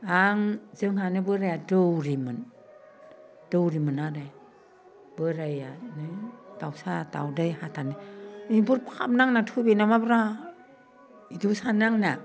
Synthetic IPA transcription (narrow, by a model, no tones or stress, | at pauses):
aŋzɯŋhanɯbɯɾajadɯwɾimɯn | d̥ɯwɾimɯnaɾa | bɯɾajanɯtawsata̰wdɯjhatʰanɯibuɾpkʰap̚naŋnatʰubenamabɾa | idusanaŋna